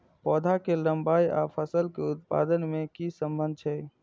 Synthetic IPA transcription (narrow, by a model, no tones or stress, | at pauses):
pɔd̪ʱakeləmbaja̰pʰəsəlkeut̪̚pa̰d̪ənmekisəmbənd̪̚ʱt͡ʃʰɛ